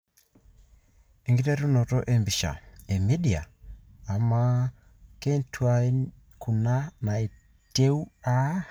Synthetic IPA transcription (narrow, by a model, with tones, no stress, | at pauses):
e˨ŋɡi˦te˦ɾu˦nɔ˨tɔ˦ʔe˨mbi˨ʃa̰˨e˨mi˦dia̰ː˨ | ma˦ | ke˦ntʰwa˦n | ku˨na˦na˨e˨ | te˦u˦a˦